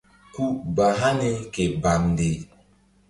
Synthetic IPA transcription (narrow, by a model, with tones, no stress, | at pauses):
ku˦ba˨ɦa˦ne˦ke˨ba˨mde˨